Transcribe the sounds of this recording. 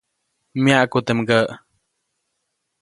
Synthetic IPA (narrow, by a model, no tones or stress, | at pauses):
mjaʔkut̪emɡəʔ